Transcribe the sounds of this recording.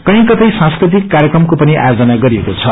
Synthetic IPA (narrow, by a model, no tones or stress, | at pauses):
kʌĩkʌt̪ʌjsãnskrit̪ikːaɾjekrʌmkopʌniʔa̰jod͡zʌnaɡʌɾiekot͡sʰʌ